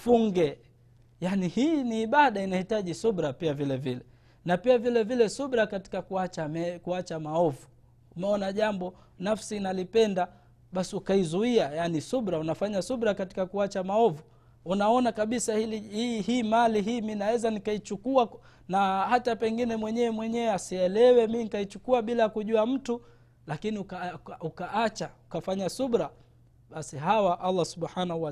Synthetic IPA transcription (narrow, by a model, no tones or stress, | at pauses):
fuŋɡɛ | janihiːniːɓaɗainahitaʄisuɓɾapiavilɛvilɛ | napiavilɛvilɛsuɓɾakati̥kakuat͡ʃamɛkuat͡ʃamaɔvu | umɛɔnaʄambɔ | nafsiːnalipɛnda | ɓasiukaizuiajanisuɓɾaunafaɲasuɓɾakati̥kakuat͡ʃamaɔvu | unaɔnakaɓisahiliihiːmaliɦiːminawɛzanikait͡ʃukua | nahatapɛŋɡinɛmwɛɲɛwɛmwɛɲɛwɛasiɛlɛwɛminikait͡ʃukuaɓilajakuʄuam̩tu | lakiniukaukaat͡ʃaukafaɲasuɓɾa | ɓasiɦawaʔalːasuɓħanahua